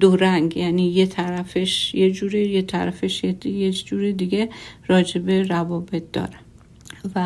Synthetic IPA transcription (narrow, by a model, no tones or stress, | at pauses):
d̪oɾæŋɡjæːniːjet̪ʰæɾæfeʃjed͡ʒuːɾejet̪ʰæ̰ɾæfeʃjejed͡ʒuːɾed̪iɡeɾɒːd͡ʒe̞be̞ɾævɒːbet̪̚ʰd̪ɒ̰ːɾe | væ